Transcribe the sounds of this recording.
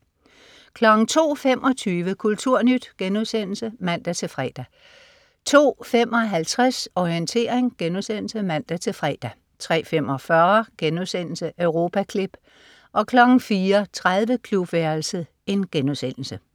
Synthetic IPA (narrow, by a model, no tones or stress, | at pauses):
kʰlɒ̽ɡ̥n̩t͡sʰo̝̰ːfem̰ʔɒ̽t͡sʰyːʋəkʰult͡sʰuɐ̰nyd̥ɡ̥enuðˠsen̰l̩səmæn̰d̥æt͡sʰe̝fʁɛ̰ːd̥æ | t͡sʰo̝̰ːfem̰ʔɒ̽ɦælt͡sʰʁasɒiənt͡sʰe̝̰ːɐeŋɡ̥enusen̰l̩səmæn̰d̥æt͡sʰe̝fʁɛːd̥æ | t͡sʰʁɛ̰ːfem̰ɒ̽fɶɐɡ̥enusen̰l̩səʔøʊʁo̝ːpʰækʰleb̥ | ʔɒ̽kʰlɒ̽ɡ̥ŋ̩fiːɐt͡sʰʁaðˠʋəkʰlub̥ʋæɐl̩sə | e̝nɡ̥enuðˠsen̰l̩sə